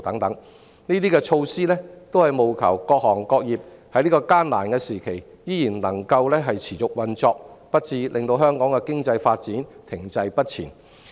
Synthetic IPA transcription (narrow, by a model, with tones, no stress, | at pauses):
t̪ɐ˨˥ŋt̪ɐ˨˥ŋ | niː˥t̪iː˥kɛː˧t͡ʃʰo˧wsiː˥lɛː˥t̪o˥whɐ˨jmo˨wkʰɐ̰˨˩wkɔː˧k̚hɔː˨˩ŋkɔː˧k̚jiː˨p̚hɐ˧˥jliː˥kɔː˧kaː˥nla̰ː˨˩nkɛː˧siː˨˩kʰe˨˩j | jiː˥jiː˨˩nlɐ˨˩ŋkɐ˧wlɛː˥ɦɐ˨jt͡sʰiː˨˩t͡sʊ˨k̚wɐ˨nt͡sɔː˧k̚pɐ˥t̚t͡siː˧lʔɪ˨˧ŋt̪o˧wɦœː˥ŋkɔː˨˥ŋkɛ˧kɪ˥ŋt͡sɐ˧jfaː˧t̚t͡siː˨˥nt̪ʰɪ˨˩ŋt͡sɐ˧jpɐ˥t̚t͡sʰḭː˨˩n